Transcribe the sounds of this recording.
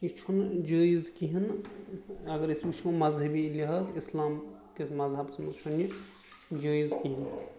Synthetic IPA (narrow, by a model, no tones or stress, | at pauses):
kit͡ʃʰund͡ʒəːizkiɦin | ɐɡəɾisut͡ʃʰmmɐzɦɐbiliɦɐzislaːm | kemɐzɦɐbsʰmɐt͡ʃʰunji | d͡ʒəːizkiɦin